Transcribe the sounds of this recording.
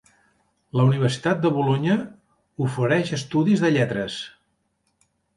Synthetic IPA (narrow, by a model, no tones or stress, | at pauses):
ləuniβ̞ərsi̥t̪at̪̚d̪əβuloɲə | ufəɾɛʃəst̪uðizðəʎɛt̪ɾəs